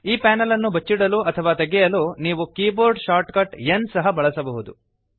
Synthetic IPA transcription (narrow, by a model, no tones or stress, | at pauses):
iːpæːnɐlɐnːubʱɐt͡ʃːiɽɐluɐt̪ʰɐʋaːt̪ɐɡɛjɐluniːʋukiːboːɾɖʃaːɾʈkɐʈensɐɦɐbɐɭɐsɐbɐɦud̪u